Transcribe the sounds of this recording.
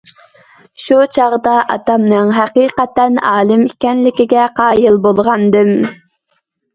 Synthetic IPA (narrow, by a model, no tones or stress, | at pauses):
ʃut͡ʃʰɑʁd̪ɑʔɑ̰t̪ɑmnɨŋɦæqiːqɛt̪ɛnɑːlˠɨmikʲɛnlɪkʲiɡʲɛqʰɑːjilˠbolˠʁɑnd̪ɨm